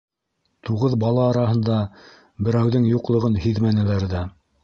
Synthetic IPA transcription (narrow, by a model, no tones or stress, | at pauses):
t̪uʁɤðbɑlˠɑːɾɑɦɤ̆nd̪ɑ | bɘ̆ɾæwðɘŋjuqlˠɤ̆ʁɤnɦiðmænɘ̆læɾðæ